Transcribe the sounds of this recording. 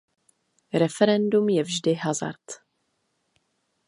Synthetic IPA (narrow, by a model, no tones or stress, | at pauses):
ɾɛfɛɾɛndumjɛvʒdɪɦaza̰ɾt̪